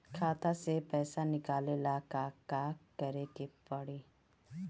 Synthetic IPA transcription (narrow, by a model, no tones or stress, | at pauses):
kʰaːt̪asepɛːsanɪkaːlelakaːkaːkɐɾekepɐɽiː